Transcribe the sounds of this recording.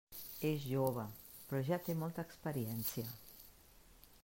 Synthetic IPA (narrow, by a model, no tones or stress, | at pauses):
ezʒoβə | pɾɔʒat̪emɔlˠt̪əːkspəɾiɛnsiə